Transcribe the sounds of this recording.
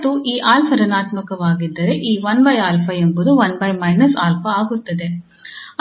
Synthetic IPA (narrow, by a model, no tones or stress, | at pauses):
t̪ːuʔiːʔaːlpʰɐɾɐnaːt̪mɐkɐʋaːɡid̪ːɐɾe̞ʔiːʋɐnbɐjaːlpʰɐembud̪uʋɐnbɐjmɐjnɐsaːlpʰɐaːɡut̪ːɐd̪e